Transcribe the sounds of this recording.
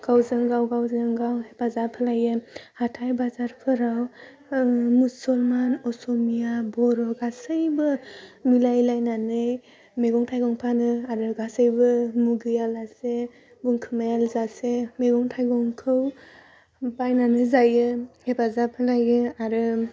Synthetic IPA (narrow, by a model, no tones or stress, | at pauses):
ɡ̥awzɯŋɡawɡawzɯŋɡawhepazapʰalajɯhatʰajbazaɾpʰɯɾaw | musɔlmanɔsɔmijabɔɾɔɡasɯjbɯmilajlajnanɯj | meɡɔŋtʰajɡɔŋpʰanɯaɾɯɡasɯjbɯmuɡɯjalase | buŋkʰɯmajalzasemeɡɔŋtʰajɡɔŋkʰɯw | bajnanɯzajɯhepazapʰalajɯaɾɯ